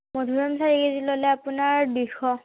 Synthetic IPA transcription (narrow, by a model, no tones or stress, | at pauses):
mɔdʱuɹamsaɹikezilolɛapʊnaɹdixɔ